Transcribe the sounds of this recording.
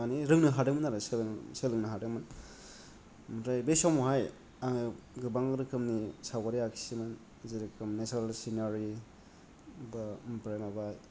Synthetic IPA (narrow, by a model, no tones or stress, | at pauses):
aniɾɯŋnɯɦadɯŋmɯnaɾajselŋselɯŋnɯɦadɯŋmɯn | mɾajbesɔmuɦaj | aŋɡɯbaŋɯɾɯkʰɯmnisawɡaɾiakʰi̥simɯn | ziɾɯkʰɯmnesaalsinaɾi | bapɾajmabaj